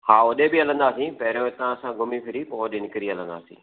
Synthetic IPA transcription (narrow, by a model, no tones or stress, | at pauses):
haːʊɗebɪɐlə̃nd̪aːsĩpɐɦɪɾjõt̪ɐʋãsãɡʊmipʰɪɾipoɗɪnɪkɪɾiɐlə̃nd̪a̰ːsḭ̃ː